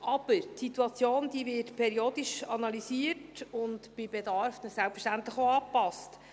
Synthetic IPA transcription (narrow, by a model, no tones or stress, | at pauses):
ʔɑb̥əɾtsit̪uɑt͡sjoːnd̪iːvɪtpʰɛɾioːd̥̪iʃɑnɑlisiətʊntb̥ɪbedɑɾfnəsælpfəʃtænt̪ləχoɑːpɑst